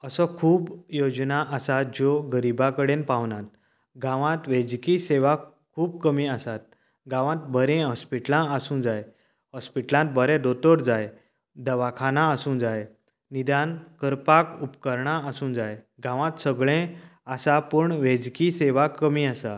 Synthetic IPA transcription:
əsɔkʰuːbjod͡ʑnaʔəsat̪̚d͡ʑoɡəɾibakəɽẽnpãʋnãt̪ | ɡãʋãt̪ʋẽd͡zkiseʋa | kʰuːbkəmiasat̪̚ | ɡãʋãt̪̚bəɾɛ̃ɦəspiʈlãəsũd͡zaj | ɦəspiʈlãt̪̚bəɾɛ̃ɖ̪ot̪ɔɾd͡zaj | d̪əʋakʰanaəsũːd͡zaj | nid̪ankəɾpakupkəɾɳaəsũːd͡zaj | ɡãʋãt̪səɡɭẽasapəɳʋẽd͡zkiseʋakəmiasa

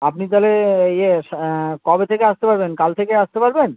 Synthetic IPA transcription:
apnit̪aleeje | kɔbet̪ʰekeast̪epaɾbenkalt̪ʰekeaʃt̪epaɾben

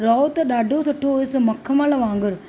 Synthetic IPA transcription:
ɾoːt̪ːɐd̪ɐɖoːsɐʈːoːɪsɯmɐkʰːɐmalɐʋaːŋɡɯɾ

